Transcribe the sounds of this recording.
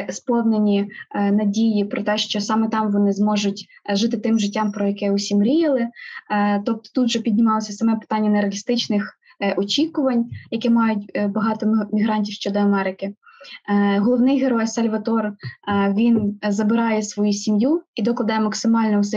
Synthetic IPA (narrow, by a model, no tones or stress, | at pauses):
spɔwnenʲinɐdʲijipɾɔt̪ɛʃt͡ʃɔsɑmɛt̪ɑmʋɔnɪzmɔʒʊtʲ | ʒɪt̪ɪt̪ɪmʒɪtʲːɑmpɾɔjɐkɛusʲimɾʲijɐlˠɪ | t̪ɔp̚t̪ɔ̥t̪ut̪ʒɛpʲidʲnʲɪmɑlˠɔsʲɐsɐmɛpɪ̥t̪ɑnʲːɐnɐɾeɐlʲist̪ɪt͡ʃnɪx | ɔt͡ʃʲikʊʋɐnʲjɐkɛmɑjʊtʲbɐɦɑt̪ɔmʲiɦɾɑnʲtʲiwʃt͡ʃɔd̪ɔɐmɛɾɪkɪ | ɦɔlˠɔʋnɪjɦeɾɔjsɐlʲʋɐt̪ɔrʋʲinzɐbɪɾɑjɛsʋɔjusʲimjuid̪ɔklˠɐd̪ɑjɛmɐksɪmɑlʲnɔʊs̬ɛ